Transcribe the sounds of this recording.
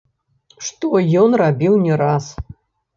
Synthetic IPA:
ʂt̪ɔjɔnrabʲiwnʲɛɾas

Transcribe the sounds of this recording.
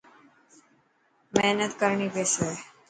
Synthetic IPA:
mɛɦnət̪kəɾɳiːpesə

